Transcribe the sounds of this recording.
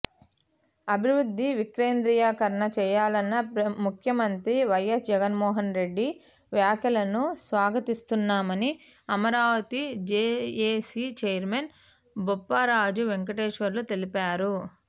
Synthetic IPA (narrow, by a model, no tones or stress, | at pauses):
ɐbʱiʋɾud̪ʱːiʋikɾe̞ːnd̪ɾijaːkɐɾɐɳɐt͡ʃɛːjaːlɐnːɐmukʰjɐmɐnt̪ɾiʋɐjːɐsd͡ʒɛɡɐnmɔːɦɐnɾe̞ɖːi | ʋjaːkɐlɐnusʋaːɡɐt̪ist̪unːaːmɐni | ɐmɐɾaːʋɐt̪id͡ʒeːeːsit͡ʃeːjɐɾmen | bɔpːɐɾaːd͡ʒuʋeŋk̬ɐʈeːʂʋɐɾlut̪e̞lipaːɾu